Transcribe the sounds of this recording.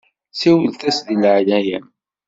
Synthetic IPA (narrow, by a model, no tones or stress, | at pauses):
siwəlθæsðilʕlæjæm